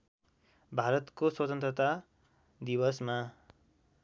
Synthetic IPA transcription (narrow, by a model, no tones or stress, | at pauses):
bʱaɾʌt̪koswʌt̪ʌnt̪rʌt̪a | d̪iβʌsma